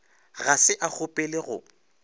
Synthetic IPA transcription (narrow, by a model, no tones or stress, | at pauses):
ɣasɪʔak͡xʰʊpʼɪlɪɣʊ